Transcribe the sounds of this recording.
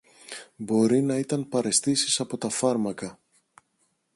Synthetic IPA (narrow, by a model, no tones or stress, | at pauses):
bo̞ɾinɐit̪ɐnpɐɾe̞st̪isi̥sɐpo̞t̪ɐfɐɾmɐkɐ